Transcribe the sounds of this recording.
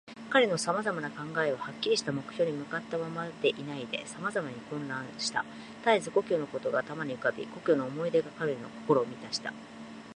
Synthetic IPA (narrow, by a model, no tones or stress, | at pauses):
kaɾe̞no̞samazamanakãŋɡae̞βahakʲːiɾʲiɕi̥t̪amo̞kɯ̟̥ço̞ːɲ̟imɯ̟kat̪ːamamad̪̥e̞ʔinaid̪e̞̰samazamaɲ̟ikõ̞nɾãɰ̃ɕi̥t̪a̰ | t̪aizɨɡo̞kʲo̞ːno̞ko̞t̪o̞ɡat̪amaɲ̟iɯ̟kabʲḭɡo̞kʲo̞ːno̞ːmo̞id̪e̞ɡakaɾeɾno̞̰ko̞̥ko̞ɾo̞ːmʲit̪aɕi̥t̪a̰